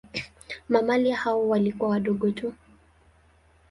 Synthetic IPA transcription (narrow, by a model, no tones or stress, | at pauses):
mamalijahawɔwalikuawaɗɔɠɔtu